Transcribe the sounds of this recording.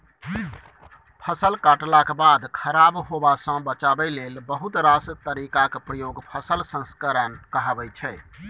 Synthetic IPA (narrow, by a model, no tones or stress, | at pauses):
pʰəsəlkaʈlakebad̪kʰəɾabɦobasə̃bət͡ʃabɛlelbəɦut̪ɾast̪əɾikakepɾəjoɡpʰəsəlsə̃nskəɾənkəɦəbɛt͡ʃʰɛ